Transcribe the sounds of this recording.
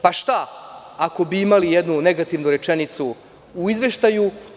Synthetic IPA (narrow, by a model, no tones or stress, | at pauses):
paʃt̪aako̞biimalijed̪nuneɡat̪iʋnuɾe̞t͡ʃenit̪suː | izʋe̞ʃt̪aju